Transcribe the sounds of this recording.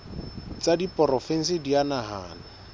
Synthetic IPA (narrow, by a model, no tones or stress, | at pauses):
t͡sadipʼɔrɔfɛn̩sɪdianaɦa̰ːna